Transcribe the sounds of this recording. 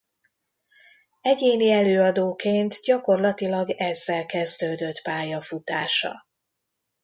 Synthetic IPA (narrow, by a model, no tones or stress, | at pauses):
ɛɟeːniɛløːɒd̪oːkeːnt̪ɟɒko̞rlɒt̪ilɒɡɛzːɛlkɛzd̪øːd̪ø̞t̪paːjɒfut̪aːʃɒ̰